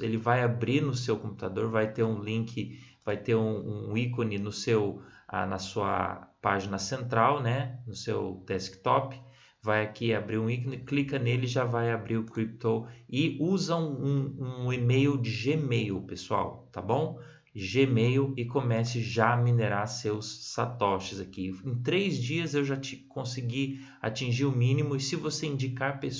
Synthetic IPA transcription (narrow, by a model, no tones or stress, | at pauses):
elɪvajabɾiɾnʊsewkõpu̥t̪ad̪oɾvajt̪eɾũlĩkʰɪ | vajt̪eɾũũikõnɪnʊsewa̰nɐsuɐ̰paʒinɐsẽnt̪ɾawnɛnʊsewd̪ɛskɪ̥t̪ɔpɪ̥ | vajakiabɾiɾũikonɪklikɐnelɪʒavajabɾiɾʊkɾip̚t̪owɪuzɐ̃ũũemejwd͡ʒɪʒemejwpesua̰wt̪a̰bõw̃ | ʒemejɪkomɛsɪʒaamineɾaɾsewsːa̰t̪ɔʃɪzakiẽt̪ɾejzd͡ʒiɐzewʒat͡ʃɪ̥kõsiɡi | a̰t͡ʃĩʒiɾʊmĩnimʊɪsɪvoseĩnd͡ʒikaɾpes